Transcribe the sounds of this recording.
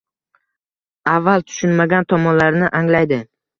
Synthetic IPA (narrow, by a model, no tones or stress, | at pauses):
avːalˠt̪ʰʊ̥ʃʊnmaɡʲant̪ʰɒmɒnlaɾnɪʔaŋlajd̪ɪ